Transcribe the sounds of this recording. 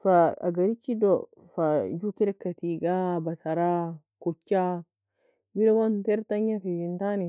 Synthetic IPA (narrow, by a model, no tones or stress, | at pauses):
faɐ̰ɡɐɾɪt͡ʃːid̪ɔ | fad͡ʒukɪɾɛkːɐt̪iːɡaːbɐt̪ɐɾaː | kʊt͡ʃːaː | bɪɾɛwɐnt̪ɛɾt̪ɐɲːɐfid͡ʒɪnt̪aːnɛ